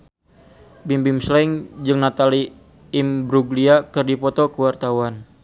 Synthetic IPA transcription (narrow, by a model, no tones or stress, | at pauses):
bimbimslɛŋd͡ʒɨŋnat̪aliː | mbɾuɡliakɨrdipɔt̪ɔkəwart̪awan